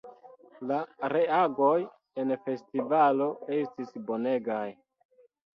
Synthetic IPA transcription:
laɾe̞aɡo̞j | e̞nfe̞stivalo̞e̞stisbo̞ne̞ɡaj

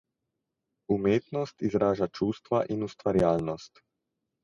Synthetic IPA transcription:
umjet̪nost̪izɾaːʒat͡ʃuːst̪ʋaʔinust̪ʋaɾjaːʎnost̪

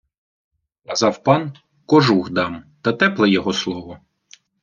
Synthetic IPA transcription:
kɐzɑwpɑn | kɔʒuɣd̪ɑmt̪ɐt̪ɛplˠɛjɔɦɔslˠɔʋɔ

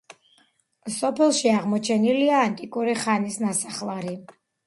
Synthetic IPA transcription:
sɔpʰɛlˠʃiaʁmɔt͡ʃʰɛniliaːnt̪ʼikʼuɾiχanisnasaχlˠaɾi

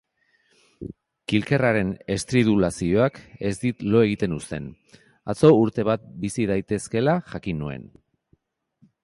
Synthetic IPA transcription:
kilke̞raɾe̞ne̞st̪ɾiðulasio̞ake̞zd̪it̪lo̞e̞ɣit̪e̞nust̪e̞n | a̰t͡so̞uɾt̪e̞β̞at̪̚bisið̞ajt̪e̞ske̞laʝakinue̞̰n

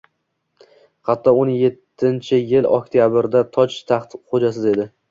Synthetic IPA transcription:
hɑt̪ʰːɒʊnɪje̞t̪ʰːɪnt͡ʃʰɪjɪlɒ̰k̚ʲt̪ʰijabɪɾd̪at̪ʰɒt͡ʃt̪ʰɑχt̪χod͡ʒas̬ɪze̞d̪ɪ

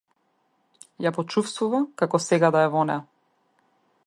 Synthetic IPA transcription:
japɔt͡ʃufst̪vuvakakɔsɛɡad̪aɛvɔnɛ̰a

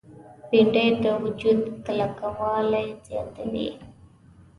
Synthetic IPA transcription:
piɳɖəjd̪əwʊd͡ʒud̪kalakawɑlajzjɑ̰t̪əlḭ

